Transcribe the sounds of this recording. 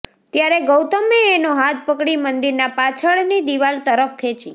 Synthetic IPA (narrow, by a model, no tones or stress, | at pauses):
t̪jaɾeɡəwt̪əmeːnoɦat̪̚ʰpəkɽimənd̪iɾnapat͡ʃʰəɭnid̪iʋalt̪əɾəfkʰet͡ʃḭ